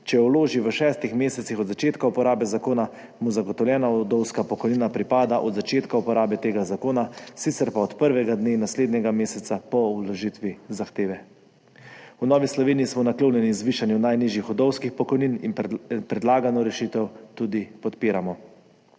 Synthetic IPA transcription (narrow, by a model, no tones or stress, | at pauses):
t͡ʃɛɔwloːʒiʋəʃɛːst̪ixmeːsɛt̪sixɔd̪zat͡ʃeːt̪kaupɔɾaːbɛzakoːna | muzaɡɔt̪ɔwlʲjɛːnaɔd̪ɔwskapɔkɔjninapɾipaːd̪aʔɔd̪zat͡ʃeːt̪kaupɔɾaːbɛt̪eːɡazakoːnasit̪sɛɾpaɔt̪pəɾʋɛɡad̪nenasleːd̪nʲɛɡameːsɛt̪sapɔulɔʒit̪ʋizaxt̪eːʋɛ | unɔːʋislɔʋeːniːsmɔnakloːnjɛnizʋiːʃanjunajniʒjixɔd̪ɔwskixpɔkɔjnininppɾɛd̪laːɡanɔɾɛʃit̪ɛwt̪ud̪ipɔt̪piːɾamɔ